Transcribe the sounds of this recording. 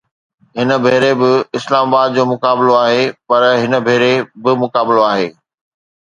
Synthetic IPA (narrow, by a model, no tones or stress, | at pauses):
ɦɪnəbʱeːɾebɪɪslaːmaːbaːd̪̚d͡ʑoːmʊkaːbɪloaːɦepɐɾɦɪnəbʱeːɾebɪmʊkaːbɪloaːɦeː